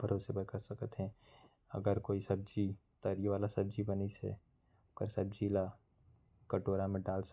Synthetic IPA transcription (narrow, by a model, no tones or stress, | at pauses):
bʱəɾoːsebəɾkəɾsɐkət̪ɦɛ̃ | ɐ̰ɡəɾkoːisɐb̚d͡ʒit̪əɾiʋaːlasɐb̚d͡ʒibənisḛ | kəɾsɐbd͡ʒila | kəʈoːɾamẽɖaːls